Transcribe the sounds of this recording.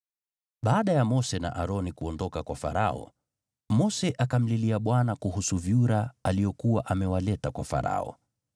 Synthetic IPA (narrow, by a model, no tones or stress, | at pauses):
ɓaːɗajamɔsɛna̰ʔaɾɔnikuɔndɔkakwafa̰ɾaɔ̰ | mɔsɛʔakam̩liliaɓwanakuhusuviuɾaalijɔkuwaʔamɛwalɛtakwafa̰ɾa̰ɔ̰